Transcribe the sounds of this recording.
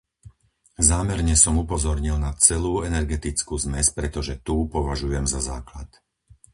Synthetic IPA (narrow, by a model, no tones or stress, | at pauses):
zaːmɛɾɲɛsɔmupɔzɔɾɲilnat͡sɛluːɛnɛɾɡɛt̪it͡skuːzmɛspɾɛt̪ɔʒɛt̪uːpɔʋaʒujɛmzazaːklat̪